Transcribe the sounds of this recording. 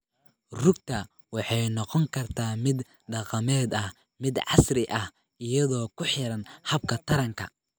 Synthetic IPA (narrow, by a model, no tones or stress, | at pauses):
rʊɡt̪ʰɐ | wɑħɑjnɔqɔŋkʰɐrt̪ʰaːmɪd̪ | ɖɑqɑmɛːd̪ɐh | mɪd̪ʕɑ̰srɪʔɐh | ʔɪjɐðɔːkʰʊħɪɾɐnhɐb̚kʰɐt̪ʰɐɾɐŋkʰɐ̰